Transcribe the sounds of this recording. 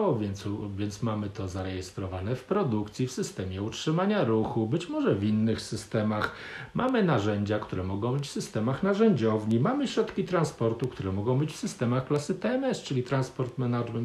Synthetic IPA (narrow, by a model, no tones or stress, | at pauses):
ɔvʲjɛnt̪svʲjɛnt̪smamɘt̪ɔzaɾɛjɛst̪ɾɔvanɛfpɾɔd̪ukt̪sʲjifsɘst̪ɛmʲjɛutʂɘmaɲaɾuxubɘt͡ɕmɔʐɛvinːɘxsɘst̪ɛmax | mʔamɘnaʐɛɲd͡ʑakt̪uɾɛmɔɡɔ̃w̃bɘt͡ɕfsɘst̪ɛmaxnaʐɛɲd͡ʑɔvɲimamɘɕɾɔt̪kʲit̪ɾanspɔɾt̪ukt̪ʰuɾɛmɔɡɔ̃w̃bɘt͡ɕfsɘst̪ɛmaxklasɘt̪ɛɛmɛst͡ʂɘlʲit̪ɾanspɔɾt̪mɛnaʐmɛnt̪